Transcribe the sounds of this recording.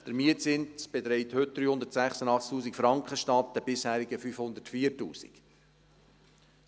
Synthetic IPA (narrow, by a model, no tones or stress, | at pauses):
d̥əɾmiətt͡sɪntt͡sb̥et̪ɾɛɪthʏt̚d̪ɾyːhʊnd̪əɾtsæχsənɑχt͡sktuːsikfɾɑŋkχəʃtɑt̚dəbɪshæːɾiɡəfyfhʊnd̪ətfiːəɾtṵːsḭk